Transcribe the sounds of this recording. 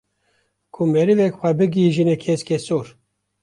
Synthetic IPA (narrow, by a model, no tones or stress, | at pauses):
kʰumɛɾivɛkxʷɛbɨɡiːʒinekʰeskʲesoːɾ